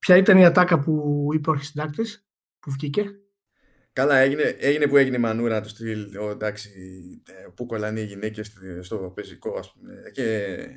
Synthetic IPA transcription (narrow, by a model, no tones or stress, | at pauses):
pçɐit̪ɐniɐt̪ɐkɐpuipeoɾçisid̪ɐk̚t̪es | puvʝice̞ | kɐlɐeʝineʔeʝine̞pue̞ʝineimɐnuɾɐnɐt̪ust̪ilod̪ɐksi | puko̞lɐniʝinecest̪st̪opeziko̞ɐspumece